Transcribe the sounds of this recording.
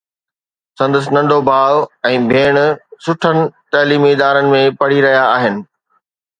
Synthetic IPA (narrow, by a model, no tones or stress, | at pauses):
sɐ̃nd̪əs̬ɪnɐ̃ɳɖʱobʱaːʋɛ̃ːbʱeːɽ̃sʊʈʰənɪ̆t̪ɐːliːmiɪd̪aːɾənɪ̆mẽpɐɽiɾɐɦijaːɦɪnɪ̆